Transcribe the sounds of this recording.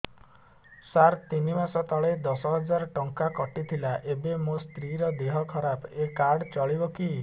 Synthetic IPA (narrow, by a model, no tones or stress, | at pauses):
saɾt̪inimasɔt̪ɔɭed̪ɔsɔɦɔd͡ʒaɾʈɔŋkakɔʈit̪ʰilaʔebemost̪ɾiɾɔd̪eɦɔkʰɔɾapekaɾɽt͡ʃɔɭibɔki